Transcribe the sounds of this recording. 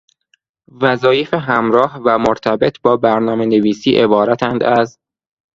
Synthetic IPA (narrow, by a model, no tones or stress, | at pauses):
væzɒːjefeɦæmɾɒːhvæmoɾt̪ʰæbe̞t̪ʰbɒːbæɾnɒːme̞neviːsiːʔe̞bɒːɾæt̪ʰænd̪æz